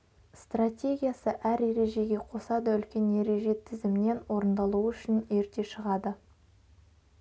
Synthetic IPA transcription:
st̪ratʲe̞ɡʲijasəʔæɾje̞ɾe̞ʒe̞ɡʲe̞qʰo̞sɑd̪əʏlkʲe̞nje̞ɾe̞ʒe̞t̪ʰɪzɪmɪne̞nwo̞ɾənd̪ɑlˠuəʏʃɪneɾt̪e̞ʃəʁɑd̪ə

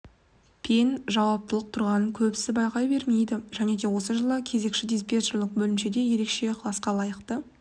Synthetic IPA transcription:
pʰenʒɑwɑp̚t̪əlˠəq̚t̪ʰʊɾʁɑnəŋkʲʰɵpsɪbɑjqɑjbe̞ɾme̞jd̪ɪʒ̥æne̞d̪e̞wo̞səʒəlˠəkʲʰe̞ze̞kʃɪd̪ispʲet̪oɾlɪq̚bɵlɪmʃe̞d̪e̞je̞ɾe̞kʃe̞qʰəlˠɑsqɑlˠɑjəqt̪ə

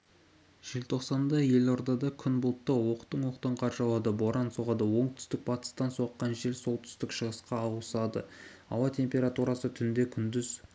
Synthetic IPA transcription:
ʒ̥ilt̪ʰo̞qsɑnd̪ɑje̞lo̞ɾd̪ɑd̪ɑkʲʰʏnbʊlˠt̪ːɑwo̞qt̪ːəɴwo̞qt̪əɴqʰɑɾʒɑlˠɑd̪əbo̞ɾɑnsoʁɑd̪əwo̞ɴt̪ʰʏ̥st̪ɪk̚pʰɑt̪ə̥st̪ɑnsoqːɑnʒe̞lso̞lˠt̪ʰʏ̥st̪ɪkʃəʁəsqɑːwsɑd̪ə̰ɑ̰wɑt̪ʲʰe̞mpʲe̞ɾat̪uɾɑsət̪ʰʏnd̪e̞kʲʰʏnd̪ʏz

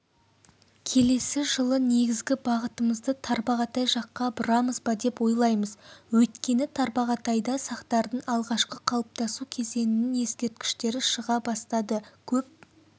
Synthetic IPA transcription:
kʲʰe̞le̞sɪʒəlˠəne̞ɡʲɪzɡʲɪbɑʁət̪əməzd̪ət̪ʰɑɾbɑʁɑt̪ɑjʒɑqːɑbʊɾɑməzbɑd̪e̞pwo̞jlˠɑjməzwɵt̪kʲe̞nɪt̪ʰɑɾbɑʁɑt̪ɑjd̪ɑsɑqt̪ɑɾd̪əɴɑlˠʁɑʃqəqʰɑw̪ˠəp̚t̪ɑsukʲʰe̞ze̞nɪnɪŋje̞skʲe̞ɾt̪̚kʲɪ̥ʃt̪e̞ɾɪʃəʁɑbɑst̪ɑd̪əkʲʰɵp̚

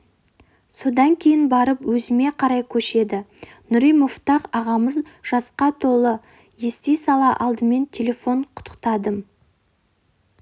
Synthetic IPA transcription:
so̞d̪ɑŋkʲʰe̞jɪnbɑɾəpwɵzɪme̞qʰɑɾɑjkʲʰɵʃe̞d̪ɪ | nʊɾijmoft̪ɑqɑʁɑməzʒ̥ɑsqɑt̪ʰo̞lˠə | jest̪ejsɑlˠɑʔɑlˠd̪əme̞nt̪ʲʰe̞le̞fo̞ɴqʰʊ̥t̪ə̥q̚t̪ɑd̪əm

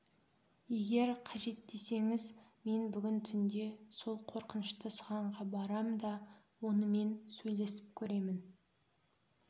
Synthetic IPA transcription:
je̞ɡʲe̞ɾqʰɑʒe̞t̪ːe̞se̞ŋɪzme̞nbʏɡʲɪnt̪ʰʏnd̪e̞so̞lˠqʰo̞ɾqənəʃt̪əsəʁɑɴʁɑbɑɾɑmd̪ɑ | wo̞nəme̞nsɵjle̞sɪ̥p̚kʲʰɵɾe̞mɪn

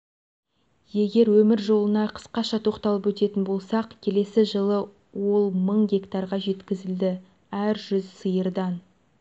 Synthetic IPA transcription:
je̞ɡʲe̞ɾwɵmɪɾʒo̞lˠənɑqʰə̥sqɑʃɑt̪ʰo̞qt̪ɑlˠəpwɵt̪e̞t̪ɪnbo̞lˠsɑqkʲʰe̞le̞sɪʒəlˠə | wo̞lˠməɴɡʲe̞kt̪ɑɾʁɑʒe̞t̪kʲɪzɪld̪ɪ | æɾʒʏzsəjəɾd̪ɑn

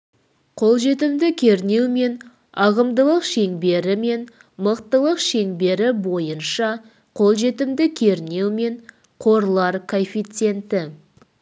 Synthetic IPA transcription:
qʰo̞lˠʒe̞t̪ɪmd̪ɪkʲʰe̞ɾne̞wme̞n | ɑʁəmd̪əlˠəqʃe̞ŋbe̞ɾɪme̞ɴ | məqt̪əlˠəqʃe̞ŋbe̞ɾɪbo̞jənʃɑ | qʰo̞lˠʒe̞t̪ɪmd̪ɪkʲʰe̞ɾne̞wme̞ɴ | qʰo̞ɾlˠɑɾkʰonfijt̪se̞nt̪ɪ

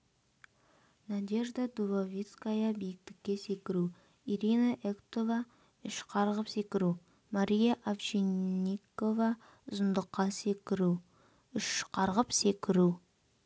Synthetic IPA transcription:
nad̪ʲeʒd̪ɑd̪uvavʲit̪skajɑbijɪk̚t̪ɪ̥kʲːe̞se̞kʲɪɾu | iɾinɑʔekt̪o̞vɑ | ʏʃqʰɑɾʁəpse̞kʲɪɾu | maɾʲijɑʔafʃenikovɑ | ʊzənd̪əqːɑsekʲɪɾu | ʏʃqʰɑɾʁəpse̞kʲɪɾu

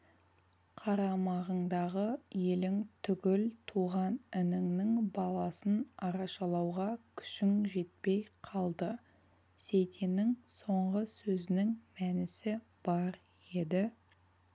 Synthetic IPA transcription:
qʰɑɾɑmɑʁəɴd̪ɑʁəje̞lɪŋt̪ʰʏɡʲɪlt̪ʰuʁɑnɪnɪŋnɪŋbɑlˠɑsənɑɾɑʃɑlˠɑwʁɑkʲʰʏ̥ʃɪŋʒe̞t̪̚pe̞jqʰɑlˠd̪ə | sejt̪ʰenɪŋso̞ɴʁəsɵzɪnɪŋmænɪsɪ | b̥ɑɾ | e̞d̪ɪ

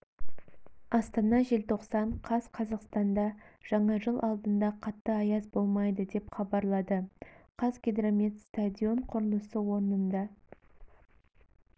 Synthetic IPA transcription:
ɑst̪ɑnɑʒelt̪ʰo̞qsɑɴqʰɑzqʰɑzɑqst̪ɑnd̪ɑʒ̥ɑɴɑʒəlˠʔɑlˠd̪ənd̪ɑqʰɑt̪ːəɑjɑzbo̞lˠmɑjd̪əd̪e̞pχɑbɑɾlˠɑd̪əqʰɑzɡʲed̪ɾamet̪st̪ad̪ʲio̞ɴqʰʊɾəlˠəsəwo̞ɾənənd̪ɑ

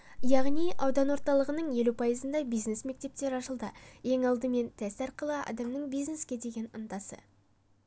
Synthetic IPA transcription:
jɑʁnijʔɑwd̪ɑnwo̞ɾt̪ɑlˠəʁənəɴje̞lupʰɑjəzənd̪ɑbijznesme̞k̚t̪e̞p̚t̪e̞ɾɑʃəlˠd̪ə | je̞ŋɑlˠd̪əme̞nt̪ʰæsɑɾqəlˠəɑ̰d̪ɑmnəɴbijzne̞skʲe̞d̪e̞ɡʲe̞nʊnd̪ɑsə̰

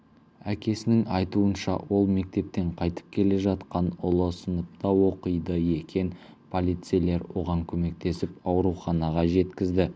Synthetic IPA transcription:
ækʲe̞sɪnɪŋɑjt̪uənʃɑ̰wo̞lˠme̞k̚t̪e̞p̚t̪e̞ɴqʰɑjt̪ə̥p̚kʲʰe̞le̞ʒɑt̪qɑnʊlˠəsənəp̚t̪ɑwo̞qəjd̪əje̞kʲe̞n | pʰo̞lʲijt̪sɨjle̞ɾwo̞̰ʁɑŋkʲʰɵme̞k̚t̪e̞sɪpɑwɾuχɑnɑʁɑʒe̞t̪kʲɪzd̪ɪ

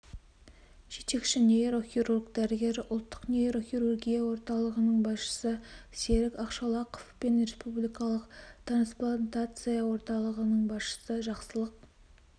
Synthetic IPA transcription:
ʒ̥e̞t̪e̞kʃɪnʲeeɾo̞xʲiɾurɡd̪æɾɪɡʲe̞ɾɪʔʊlˠt̪ːə̥qneɾo̞xʲiɾurɡʲijawo̞ɾt̪ɑlˠəʁənəɴbɑsʃə̥səseɾɪkɑqʃɑlˠɑqofpe̞nre̞spublijkɑlˠəqt̪ransplˠant̪at̪sɨjawo̞ɾt̪ɑlˠəʁənəɴbɑsʃə̥səʒɑqsəlˠəq̚

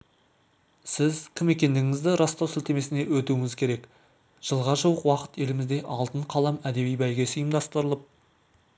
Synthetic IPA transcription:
sɪzkʲʰɪme̞kʲe̞nd̪ɪɡɪŋɪzd̪ɪɾɑst̪osɪlt̪e̞me̞sɪne̞wɵt̪uwɪŋɪzkʲʰe̞ɾe̞k | ʒ̥əlˠʁɑʒuwəqwɑqə̥t̪e̞lɪmɪzd̪e̞ʔɑlˠt̪əɴqʰɑlˠɑmæd̪e̞βijbæjɡʲe̞sijəmd̪ɑst̪əɾəlˠəp̚

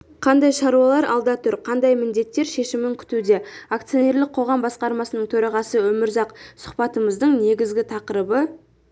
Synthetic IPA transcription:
qʰɑnd̪ɑjʃɑɾuɑlˠɑɾʔɑlˠd̪ɑt̪ʰʏɾqʰɑnd̪ɑjmɪnd̪e̞t̪ːe̞ɾʃe̞ʃɪmɪŋkʲʰʏ̥t̪ud̪e̞ak̚t̪sijone̞ɾlɪk̚qʰo̞ʁɑmbɑsqɑɾmɑsənəɴt̪ʰɵɾɑʁɑsəwɵmɪɾzɑqsʊ̥χpɑt̪əməzd̪əɴne̞ɡʲɪzɡʲɪt̪ʰɑqəɾəbə

